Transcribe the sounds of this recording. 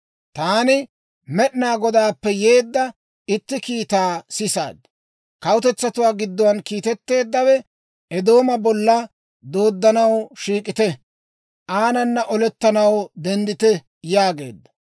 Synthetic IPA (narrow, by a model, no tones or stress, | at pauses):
t̪aːnɪ | mɛɗnaːɡɔd̪aːpːɛje̞ːd̪ːɐ | ɪt̪ːɪkiːt̪aːsɪsa̰ːd̪ːɐ | kɐwʊt̪ɛt͡sːɐt̪ʊwaːɡɪd̪ːɔwɐnkiːt̪ɛt̪ːe̞ːd̪ːɐwɛ | ʔɛd̪o̞ːmɐbɔlːɐ | d̪o̞ːd̪ːɐnɐwʃiːkʼɪt̪ɛ | ʔaːnɐnːɐʔɔlɛt̪ːɐnɐwd̪ɛnd̪ɪt̪ɛ | jaːɡe̞̰ːd̪ːɐ̥